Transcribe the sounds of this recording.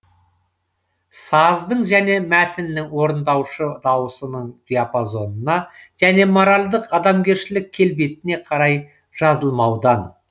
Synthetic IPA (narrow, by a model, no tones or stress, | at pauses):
sɑzd̪əɴʒæne̞mæt̪ɪnːɪŋwo̞ɾənd̪ɑwʃəd̪ɑwəsənəɴd̪̥ʲijapozo̞nənɑʒ̥æne̞mo̞ɾalʲd̪əqɑd̪ɑmɡʲe̞ɾʃɪlɪkʲʰːe̞lbet̪ɪne̞qʰɑɾɑj | ʒ̥ɑzəlˠmɑwd̪ɑn